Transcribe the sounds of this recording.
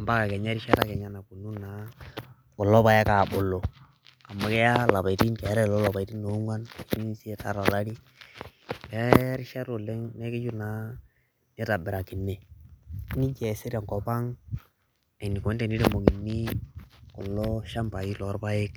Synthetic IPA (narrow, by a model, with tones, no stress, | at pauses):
a˨mba˦ka˨kɛ˨ɲa˦ɾi˦ʃa˦ta˦kɛ˨ɲa˨na˨ku˨nu˦na˨ | kɔ˨lɔ˦ba˦ja˦ka˨bʊ˨lɔ˨ | ka˨ma˨kɛ˦ja˦la˨a˨ti˦nkɛ˨˦ɾɛ˦lɔ˦lɔ˨pa˨i˨ti˦no˨˦ŋwa˦na˨t͡ʃi˦ni˦si˦ɛ˦ta̰˨˦ɾa˨la˦ɾi˦ | kɛ˨˦ɾɪ˦ʃa˦ɾo˨lɛ˦ŋnɛ˦kɪ˦d͡ʒu˦na˨˦ | nɛ˦ta˨bɪ˨ɾa˨kɪ˨nːɛ˨˦ | ni˦d͡ʒɛ˨se˦ɾa˨ŋkɔ˨pa˦ŋ | a˨ni˨kɔ˨˦nte˨ni˦ɾe˦mo˨ki˨nːi˦kɔ˨lɔ˦ʃa˦mpa˨i˦lɔ˨˦ɾba˦jɪ˦k̚